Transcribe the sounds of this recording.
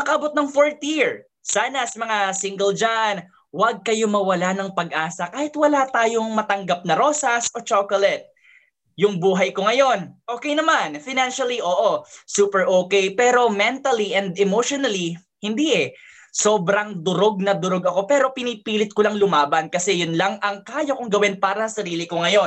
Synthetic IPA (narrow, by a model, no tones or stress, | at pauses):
mɐkɐʔɐbo̞t̪̚nɐŋfoɹt̪jiɹ | saːnɐsɐmɐŋasɪŋɡɛld͡ʒan | wɐɡ̚kɐjo̞mɐwɐlanɐŋpɐɡʔaːsɐkaːhɪt̪wɐlat̪aːjo̞ŋmɐt̪ɐŋɡap̚nɐɾo̞ːsɐso̞t͡ʃokolɛt̪̚ | jʊŋbuːɦɐjko̞ŋɐjo̞nʔoːkɛjnɐmanfɪnanʃɐliʔo̞ːʔosuːpɛɹʔoːkɛjpɛːɾo̞mɛnt̪ɐliʔɛnd̪ɛmowʃonɐli | hɪnd̪iʔɛ | so̞ːbɾɐŋd̪ʊɾo̞ɡ̚nɐd̪ʊɾoɡɐko̞pɛɾo̞pɪniːpiːlɪt̪̚kʊlaŋlʊmaːbɐnkɐsɛjʊnlɐŋɐŋkaːjokʊŋɡɐwɛnpaːɾɐsɐɾiːlɪkoŋɐjo̞n